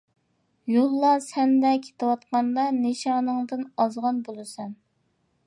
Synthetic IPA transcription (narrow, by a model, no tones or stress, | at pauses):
jolˠlˠɑsɛnd̪ɛkʲʰe̥t̪ʰɪwɑt̪̚qɑnd̪ɑneʃɑnɨŋd̪ɨnɑzʁɑnbolˠɨsɛn